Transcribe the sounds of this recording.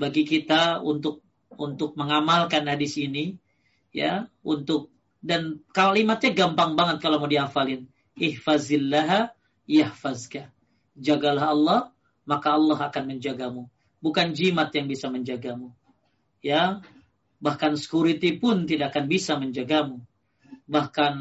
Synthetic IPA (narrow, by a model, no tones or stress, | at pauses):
baɡikit̪aunt̪ʊk̚ | unt̪ʊk̚məŋamalkanadisini | ja̰unt̪ʊk̚ | dankalimat̪̚ɲaɡampaŋbaŋət̪̚kalamudiafalɪn | ɪhfazɪlːaɦa | jahfazka | d͡ʒaɡalaɦɑlːɔh | makaːlːɔɦakanməɲd͡ʒaɡamu | bukand͡ʒimat̪jaŋbisaməɲd͡ʒaɡamu | ja | bahkansə̥kuɾit̪ipʊnt̪idaʔkanbisaməɲd͡ʒaɡamu | bahkan